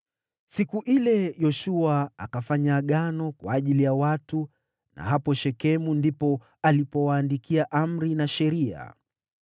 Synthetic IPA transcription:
sikuʔilɛjɔʃuaːkafaɲaːɠanɔkwaːʄilijawatu | na̰ɦapɔʃɛkɛmundipɔ | alipɔwaːndikiaʔam̩ɾinaʃɛɾia̰

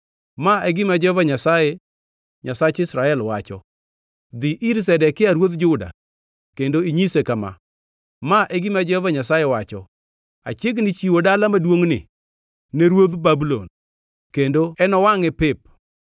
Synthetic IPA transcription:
maeɡɪmad͡ʒɔɔvaɲasaje | ɲasat͡ʃɪsɾaɛlwat͡ʃɔ̰ | d̪iʔiɾs̬ɛdɛkɪaɾwot̪d͡ʒʊda̰ | kendoiɲisekama̰ | maʔeɡɪmad͡ʒɔhɔvaɲasajewat͡ʃɔ̰ | a̰t͡ʃeɡnɪt͡ʃiwodalamadwoŋnɪ̰ | neɾwod̪babulon | kendoɛnɔwaŋɛpɪp̚

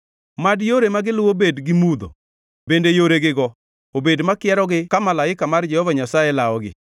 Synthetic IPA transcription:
madjoɾemaɡɪlʊwobedɡɪmud̪o̰ | bendejoɾeɡɪɡɔ | obedmakɪɛɾɔɡɪkamalaɪkamard͡ʒɛhɔvaɲasajelaɔɡɪ̰

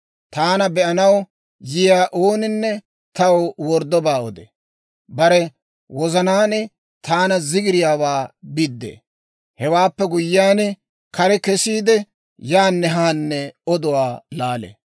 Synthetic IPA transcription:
t̪aːnɐbɛʔɐnɐw | jɪjaːʔoːnɪnːɛ | t̪ɐwwɔɾd̪ːɔbaːɔd̪ɛ̰ | bɐɾɛ | wɔzɐnaːnɛ | t̪aːnɐzɪɡɪɾɪjaːwaːbɪd̪ːḛː | hɛwaːpːɛɡʊjːaːnɛ | kɐɾɛkɛsiːd̪ɛ | jaːnːɛɦaːnːɛɔd̪ɔwaːlaːlḛ

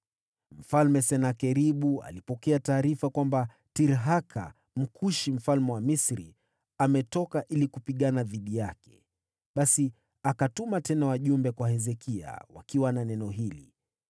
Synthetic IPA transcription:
m̩falmɛsɛnakɛɾiɓua̰lipɔkɛataːɾifakwamba | tiɾɦakʰa̰ | m̩kʰuʃim̩falmɛwamisɾḭ | amɛtɔkaʔilikupiɠanaðiɗijakɛ̥̰ | ɓasi | akatumatɛnawaʄumbɛkwahɛzɛkʰia̰wa̰kiwananɛnɔɦilḭ

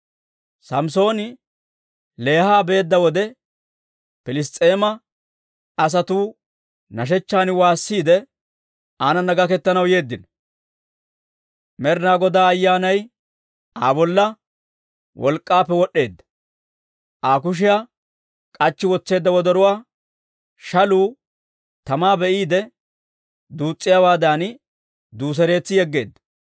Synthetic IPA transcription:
sɐmso̞ːnɪ | le̞ːhaːbe̞ːd̪ːɐwɔd̪ɛ | pɪlɪst̪ʼe̞ːmɐ | ɐs̬ɐt̪uː | nɐʃ̬ɛt͡ʃːaːnɪwaːsːiːd̪ɛ | aːnɐnɐɡɐkɛt̪ːɐnɐwje̞ːd̪ːɪn | mɛɾnaːɡɔd̪aːɐjːaːnɐj | aːbɔlːɐ | wʔɔlkʼːaːpːɛwɔɗːe̞ːd̪ːɐ̥ | ʔaːk̬ʊʃ̬ɪja | kʼɐt͡ʃːɪwɔt͡sːe̞ːd̪ːɐwɔd̪ɐɾʊwaː | ʃɐluː | t̪ɐmaːbɛʔiːd̪ɛ | d̪uːt͡sʼːɪjawaːd̪aːn | d̪uːs̬ɛɾe̞ːt͡sːɪjɛɡːe̞ːd̪ːɐ̥

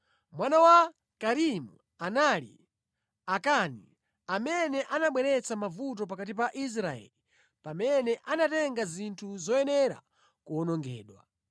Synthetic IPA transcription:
mwanawa | kaɾimu | analḭ | akanḭ | amɛnɛʔanaɓwɛɾɛt͡samavut̬ɔp̬akatipaʔis̬ɾaɛ̰li | pamɛnɛʔanatɛŋɡazintʰuzɔjɛnɛɾa̰ | kuɔnɔŋɡɛ̰ːɗwa̰

